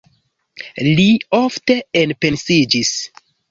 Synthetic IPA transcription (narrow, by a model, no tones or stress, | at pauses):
liofte̞enpe̞nsid͡ʒis